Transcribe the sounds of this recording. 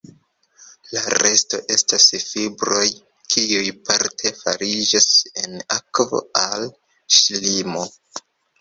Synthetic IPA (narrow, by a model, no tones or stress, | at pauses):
laɾe̞sto̞ʔe̞stasfibɾo̞j | kʰiujpaɾtʰe̞faɾid͡ʒase̞nakvo̰al | ʃlimo̞